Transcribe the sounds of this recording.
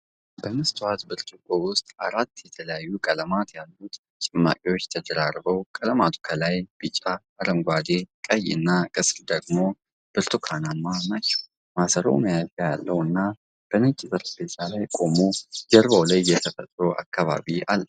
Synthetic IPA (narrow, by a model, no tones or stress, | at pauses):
bəmɨst̪ʰwat̪bɨɾt̪ʰukʼowʊst̪ʼaɾat̪ːjɛt̪ʰələjajːukʼələmat̪jalːut̪ | t͡ʃʼɪmːa̰kʼiwot͡ʃːt̪ʰəd̪əɾaɾbəwkʼələmat̪ʰu̥kʰəlajb̥ɨt͡ʃʼa | aɾəmɡʷad̪ekʼəj̰ːɨnːakʼɨsɾd̪əɡmo̞ | b̥ɨɾt̪ʰukʰanamːanat͡ʃːɛ̥w | masəɾo̰məjazja̰lːəwɨnːa | b̥ənət͡ʃʼːɪzʼəɾbet̪ʰalajkʼo̞mod͡ʒəɾβawlajːɛt̪ʰəfət̪ʼɾoʔa̰kʰːaβa̰βia̰lː